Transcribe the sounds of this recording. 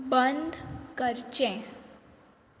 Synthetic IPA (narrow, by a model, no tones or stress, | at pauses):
bənd̪ʱkəɾt͡ɕɛ̃